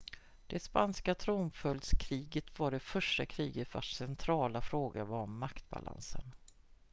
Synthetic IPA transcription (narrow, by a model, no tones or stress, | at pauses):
d̪̥ɛspanskat̪ʰɾumfœld̪skʰɾiːɡət̪vaɖɛfœʂʈakʰɾiːɡət̪va̰ʂsɛnt̪ʰɾɑːlafɾoːɡa̰vaɾɔmːakt̪ba̰lʔa̰nsə̰n